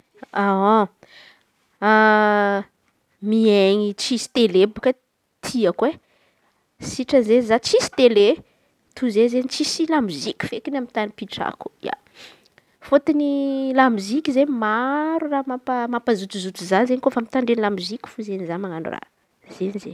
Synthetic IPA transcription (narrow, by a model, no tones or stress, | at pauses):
ao | a | mieɲit͡sisi̥t̪elebukə | t̪ʰiakwe | siʈ͡ʂənzenzat͡sisi̥t̪ele | t̪ʰuzezeɲit͡sisilamizikʲu̥fekinamit̪anipiʈ͡ʂa̰ku̥ja̰ | fot̪inilamizikʲizemaɾuramapəmampəzut̪izut̪izanzeɲikofamit̪aɳɖ͡ʐenlamizikʲi̥fuzenizamaŋanṵra̰ | zenize